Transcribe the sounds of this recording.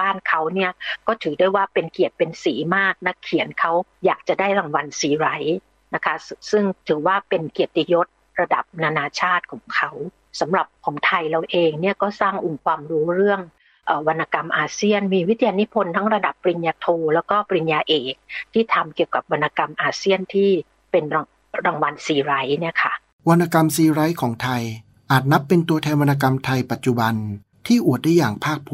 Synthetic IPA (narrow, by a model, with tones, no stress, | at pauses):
baː˥˩nkʰa˦˥wni˥˩ɐkɔː˥˩t̪ʰɯː˩˦du˥˩əjwaː˥˩pe˧nki˨˩ət̪̚pe˧nsiː˩˦maː˥˩k̚na˦˥kʰːi˨˩˦ənkʰa˦˥wjaː˨˩k̚t͡ɕa˨˩daː˥˩jɾa˨˩ŋwa˧nsiː˨˩˦ɾa˦˥j | na˦˥kʰa˦˥sɯ˥˩ŋt̪ʰɯː˩˦waː˥˩pe˧nki˨˩ət̪ːi˧jo˦˥t̪̚ | ɾa˧da˨˩p̚naː˧naː˧t͡ɕʰaː˥˩t̪̚kʰɔː˩˦ŋkʰa˦˥w | sa˩˦mɾa˨˩p̚kʰɔː˩˦ŋt̪ʰa˧jɾa˧wʔeː˧ŋni˥˩əkɔː˥˩saː˥˩ŋʔu˨˩ŋkʰwaː˧mɾuː˦˥ɾɯ˥˩əŋ | ʔəː˨˩wa˧nːa˧ka˧mʔaː˧si˥˩ənmiː˧wi˦˥t̪ʰi˧a˧ni˦˥pʰo˧nt̪ʰa˦˥ŋɾa˧da˨˩pːɾi˧njaː˧t̪ʰoː˧lɛː˦˥wkɔː˥˩pɾi˧njaː˧ʔeː˨˩k̚t̪ʰiː˥˩t̪ʰa˧mki˨˩əwka˨˩p̚wa˧nːa˧ka˧mʔaː˧si˥˩ənt̪ʰiː˥˩ | pe˧nɾ | ɾaː˧˩ŋwa˧nsiː˧˩ɾa˦˥jni˥˩ɐkʰa˦˥˩ | wa˧nːa˧ka˧msiː˧ɾa˦˥jkʰɔː˩˦ŋt̪ʰa˧j | ʔaː˨˩t̪̚na˦˥pːe˧nt̪u˧ət̪ʰɛː˧nwa˧nːa˧k̬a˧mt̪ʰa˧jpa˨˩t̪̚t͡ɕu˨˩ba˧n | t̪ʰiː˥˩ʔu˨˩ət̪̚daː˥˩jaː˨˩ŋpʰaː˥˩k̚pʰː